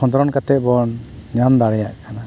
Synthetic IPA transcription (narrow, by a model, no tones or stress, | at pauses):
ɔnd̪ɔɾɔnkat̪ɛʔ̚bɔnɲamd̪aɽɛjaʔkʰana